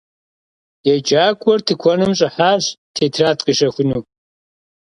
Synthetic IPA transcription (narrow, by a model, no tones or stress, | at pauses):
jɛd͡ʒʼaːkʷʼɔrtʰɨkʷʰɔnɨmɕ̬ʼɪħaːɕtʰeːtʰraːtʼqʼɨʃɐxʷʊnuː